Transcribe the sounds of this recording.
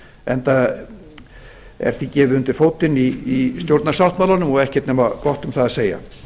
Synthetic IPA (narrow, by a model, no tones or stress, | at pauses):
ɛnt̪a | ɛ̰ɾ̥θicɛːvɪʏnt̪ɪɾ̥foːwt̪ɪniist̪jowɾt̪nasawht̪malanʏmɔɣɛhcɛt̪nɛːmakɔht̪ʏmθaðaseːja̰